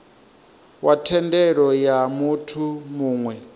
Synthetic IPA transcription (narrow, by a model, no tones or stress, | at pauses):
watʰɛndɛɺɔjamutʰumuːŋwɛ